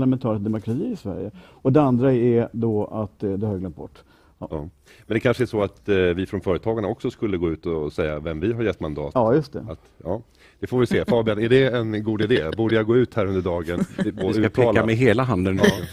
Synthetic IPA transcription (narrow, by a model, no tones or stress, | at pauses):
lamɛnt̪ʰɑːɾɪt̪d̪ɛmʊkʰɾat̪ʰiːɪsvæ̰ɾjə | ɔd̪ɛand̪ɾaɛɛd̪ɔa̰t̪d̪ɛhɑːɾɪɡlœmt̪̚bɔ̰ʈː | mɛnd̪ɛkʰanʂəɛʂɔat̪vɪfɾɔnfœːɾət̪ʰɑːɡaɳaɔksɔskɵlːəɡoːʉ̟ːt̪ɔsɛjːavɛmvɪɦaɾjɛt̪ːmand̪ɑ̰ːt̪ɑːjɵst̪ɛ̰at̪jɑː | d̪̥ɛfovɪjʏseːfɑːbɪanɛɖɛːnɡuːd̪ɪd̪eːbuːɖəjaɡoːʉ̟ːt̪hæːɾɵnd̪əɖɑːɡənboːd̪ʉːt̪ʰːɑːlamɛɦeːlaɦand̪ə